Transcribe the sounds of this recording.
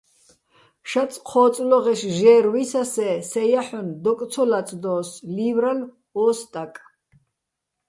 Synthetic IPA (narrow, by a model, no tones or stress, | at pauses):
ʃasʼqʰɔːt̪t͡sʼlɔʁɛʃʒɛːɾwisasɛsɛjaħɔnd̪ɔkʼt̪sʰɔlat̪t͡s̪ʼd̪ɔːsliːvɾal | ɔːst̪ʼakʼ